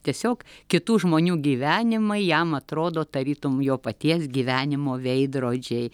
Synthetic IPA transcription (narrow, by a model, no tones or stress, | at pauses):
t̪ʲiɛsʲoːkkʲɪt̪uːʒmoːnʲuːɡʲiːʋʲæːnʲɪmɐɪjɛmɐt̪ɾoːd̪oːt̪ɐɾʲiːt̪ʊmjoːpɐt̪ʲiɛsɡʲiːʋʲæːnʲɪmoːʋʲɛɪd̪ɾoːd͡ʒʲɛɪ